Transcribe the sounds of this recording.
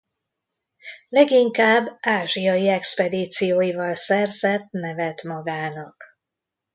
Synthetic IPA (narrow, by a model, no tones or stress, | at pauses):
lɛɡiŋkaːbːaːʒijɒjiɛkspɛd̪iːt̪sijoːjivɒlsɛrzɛt̪nɛvɛt̪mɒɡaːnɒk